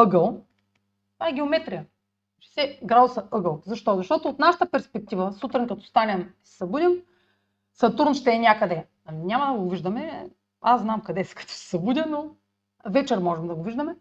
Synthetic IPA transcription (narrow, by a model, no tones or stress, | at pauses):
ɤɡəlˠ | tt̪ovaɛɡʲɛomɛt̪ɾijɐ | t͡ʃsɛɡɾad̪ʊsɐʔɤɡəlˠzɐʃt̪ɔzɐʃt̪ɔt̪oːt̪naʃə̥t̪əpɛɾspɛk̚t̪ivəsut̪ɾinkɐt̪ɔ̥st̪anʲɐmisɛ̥sɐbud̪ʲim | sɐt̪uɾnʃt̪ɛːnʲakəd̪ɛ | ɐnʲamɐd̪ɐɡoviʒd̪ɐmɛ | asnamkɐd̪ɛskʰɐ̥t̪o̥sɛ̥sɐbud̪ʲɐno | vɛt͡ʃɛɾmɔʒɛmd̪ɐɡoviʒd̪əmɛ